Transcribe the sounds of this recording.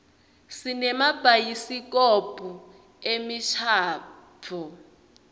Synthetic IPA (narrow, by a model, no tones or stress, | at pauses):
sinɛmab̥ʱajisikɔpʼu | emiʃʰaːpʰɔ